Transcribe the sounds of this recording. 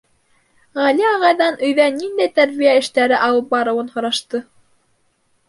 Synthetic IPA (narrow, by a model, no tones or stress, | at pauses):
ʁæliɑʁɑjðɑnɵ̆jðænind̪æjt̪æɾβijæɘ̆ʃt̪æɾɘʔɑwɤp̚bɑɾɤ̆wɤnhŏɾɑʃt̪ɤ